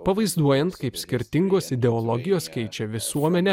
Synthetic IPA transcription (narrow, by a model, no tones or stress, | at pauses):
pɐʋɐɪzd̪uɔjɛnt̪kɐɪpsʲkʲɪɾʲt̪ʲɪŋɡoːsɪd̪ʲɛɔlˠɔɡʲɪjoːskʲɛɪt͡ʃʲɛʋʲɪsuɔmʲɛnʲɛ